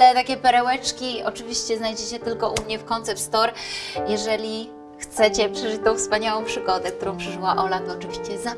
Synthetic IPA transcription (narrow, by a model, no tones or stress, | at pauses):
ɛt̪akʲɛpɛɾɛwɛt͡ʂkʲiɔt͡ʂɘvʲiɕt͡ɕɛznajd͡ʑɛt͡ɕɛt̪ɘlkɔʔumɲɛfkɔnt̪sɛpt̪st̪ɔɾjɛʐɛlʲi | xt̪sɛt͡ɕɛpʂɛʐɪt͡ɕ̚t̪ɔ̃w̃fspaɲawɔ̃w̃pʂɘɡɔd̪ɛk̚t̪uɾɔ̃w̃pʂɛʐɘwaʔɔlat̪ɔːt͡ʂɘvʲiɕt͡ɕɛza